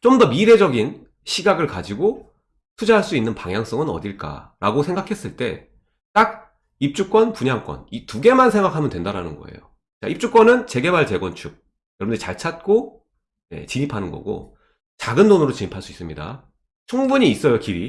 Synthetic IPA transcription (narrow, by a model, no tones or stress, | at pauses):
t͡ɕomdʌmiɾe̞d͡ʑʌɡin | ɕʰiɡaɡɯɭkad͡ʑiɡo | tʰud͡ʑaɦaɭs͈uinːɯnpaŋjaŋs͈ʌŋɯnʌ̰diɭk͈a̰ɾaɡosʰe̞ŋɡakʰe̞s͈ɯɭt͈e̞̰ | t͈ak̚ | ip̚t͡ɕ͈uk̚k͈wʌnpuɲaŋk͈wʌ̰nituɡe̞mansʰe̞ŋɡakʰamjʌntwe̞ndaɾanɯnɡʌ̰e̞̰jo | t͡ɕa̰ip̚t͡ɕ͈uk͈wʌnɯnt͡ɕe̞ɡe̞baɭt͡ɕe̞ɡwʌnt͡ɕʰuk̚ | jʌɾʌbndet͡ɕaɭt͡ɕʰat̚k͈o | nḛt͡ɕiɲipʰanɯnɡʌ̰ɡo̰ | t͡ɕaɡɯndonɯɾot͡ɕiɲipʰaɭs͈uis͈ɯmɲida̰ | t͡ɕʰuŋbuɲiːs͈ʌjokiɾi